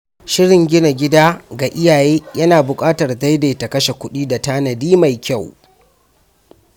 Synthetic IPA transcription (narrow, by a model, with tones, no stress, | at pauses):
ʃɪ˦ɽɪ˨ŋɡʲɪ˦na˨ɡʲɪ˦daː˦ɡa˨ʔɪ˦jaː˨jeː˦jɐ˦naː˨bʊ˨kʼaː˦tɐ˨rda˦jdeː˨ta˨kɐ˦ʃe˨kʷʊ˦ɗiː˦da˨taː˦nɐ˨diː˦ma˨jkʲa˦˨w